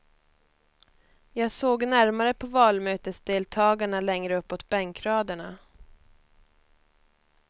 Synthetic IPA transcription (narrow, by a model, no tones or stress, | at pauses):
jɑːɡsoːɡnæɾmaɾəpʰɔvɑːlmøːt̪əsd̪eːlt̪ʰɑːɡaɳalɛŋɾəɵpːot̪bɛŋkɾɑːd̪əɳa